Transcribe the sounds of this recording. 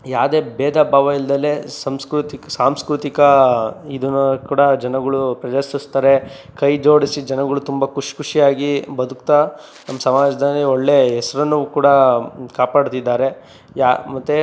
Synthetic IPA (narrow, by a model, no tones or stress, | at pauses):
jaːd̪e̞ːbeːd̪ʱabʱaːʋɐild̪ɐlːesɐmskɾut̪iksaːmskɾut̪ikɐid̪unːkuːɽɐd͡ʒɐnɐɡɐɭupɾɐd͡ʒɐsist̪ɐɾe̞ | kɐjd͡ʒo̞ːɽisid͡ʒɐnɐɡɐɭut̪umbɐkuʂi̥kʰuʂijaːɡibɐd̪ukt̪a | nɐmːɐsɐmaːd͡ʒɐd̪ɐlːioɭːe̞ːɦɛsɐɾɐnːukuːɽɐkaːpaːɽt̪id̪ːaːɾe̞ | jamɐt̪ːe